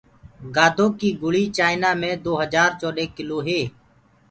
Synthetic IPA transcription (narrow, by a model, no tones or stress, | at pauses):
ɡaːd̪ʱõːkiːɡʊɭiːt͡ʃaːɪnaːmẽːd̪oːɦəd͡ʒaːɾt͡ʃoːɗeːkɪloːɦeː